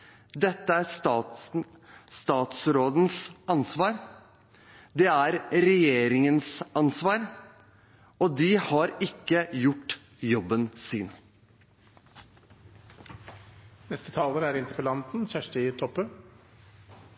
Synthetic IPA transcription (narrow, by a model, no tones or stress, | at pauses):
d̪ɛt̪ːəæɾs | st̪ɑːt̪sɾoːd̪n̩sɑnsʋɑːɾ | d̪ɛæɾɾɛjeːɾɪŋənsɑnsʋɑːɾ | ɔd̪ɪhɑɾɪkːəjʊʈː | jɔbːənsɪːn | nɛst̪ət̪ʰɑːləɾæɾɪnt̪əpəlɑnt̪n̩çæʂʈɪt̪ʰɔpːə